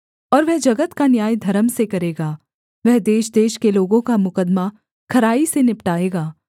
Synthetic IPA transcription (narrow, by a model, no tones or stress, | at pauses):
ɔːɾʋɛɦd͡ʒɐɡət̪kanjaːjd̪ʱɐɾəmsekɐɾeːɡaː | ʋɛɦd̪eːʃd̪eːʃkeloːɡõkamʊkəd̪ma | kʰɐɾaːisenɪpʈaːeːɡaː